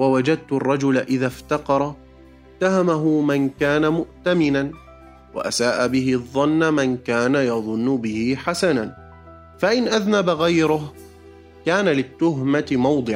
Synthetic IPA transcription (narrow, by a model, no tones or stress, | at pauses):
wawad͡ʒad̪̚t̪ʊrˤːɑd͡ʒʊlaʔɪðaft̪ɑqɑɾˤ | t̪ːahamaɦʊmankaːnamʊʔt̪amɪnan | wa̰ʔasaːʔabɪhɪðˤːɑnːamankaːnajɑðˤʊnːʊbɪhɪħasanan | faʔɪnʔaðnabɣajɾʊh | kaːnalɪt̪ːʊɦmat̪ɪmɑwd̪ˤɨʕ